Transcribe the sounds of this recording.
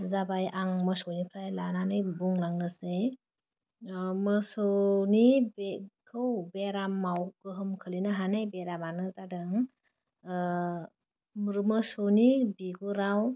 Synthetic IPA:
zabajʔaŋməsonipʰɾajlananajbuŋlaŋnɯse | məsɔnibekʰɯwbeɾamawkɯɦɯmkʰɯlinaɦanajbeɾamanɯzadɯŋ | mɾɯməsonibiɡuɾaw

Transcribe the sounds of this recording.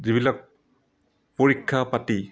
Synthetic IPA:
ziβbilak̚ | pɔɹikʰːapati

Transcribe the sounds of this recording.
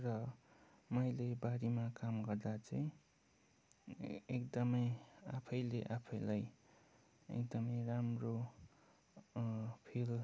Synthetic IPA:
rʌ | mʌjlebaɾimakamɡʌrd̪at͡sʌĩ | ekd̪ʌmʌja̰pʰʌjleʔapʰʌjlaj | ḛkd̪ʌmʌjramro | pʰil

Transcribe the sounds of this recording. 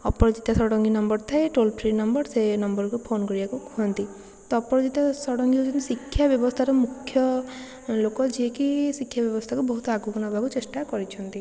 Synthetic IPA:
ɔpɔɾɔd͡ʒit̪asɔɽɔŋɡinɔmbɔɾt̪ʰaeʈolpʰɾinɔmbɔɾsenɔmbɔɾkupʰonkɔɾibakukuɦɔnt̪i | t̪ɔpɔɾɔd͡ʒit̪asɔɽɔŋɡiud͡ʒinisikʰːjabjɔbɔst̪ʰaɾɔmukʰːjɔ | lokɔd͡ʒiekisikʰːjabjɔbɔst̪ʰakubɔɦut̪ɔaɡukɔnɔbʱakut͡ʃesʈakɔɾit͡ʃʰɔnt̪i

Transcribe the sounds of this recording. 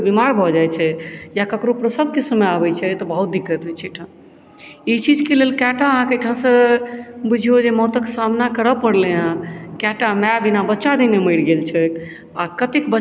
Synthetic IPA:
bimaɾbʱɔd͡ʒajt͡ʃʰɛjakəkɾopɾəsəb̚ʱkesəməjabɛt͡ʃʰɛt̪ɔbəɦut̪̚d̪ikːət̪ɦɛt͡ʃʰeʈʰã | it͡ʃid͡ʒkelelkɛʈaəɦãkejʈʰãsə̃ | bud͡ʒʱiod͡ʒemɔt̪əksamnakəɾəpəɽleɦãkɛʈamɛbinabətːʃad̪imeməɪɽɡelt͡ʃʰɛk | akət̪ikbə

